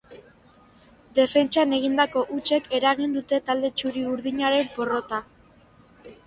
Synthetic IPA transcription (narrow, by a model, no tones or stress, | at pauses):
d̪e̞fe̞nt͡ʃane̞ɣ̞ind̪ako̞ʔut͡ʃe̞ke̞ɾaɣ̞ind̪ut̪e̞t̪ald̪e̞t͡ʃuɾiuɾðiɲaɾe̞mpo̞ro̞t̪a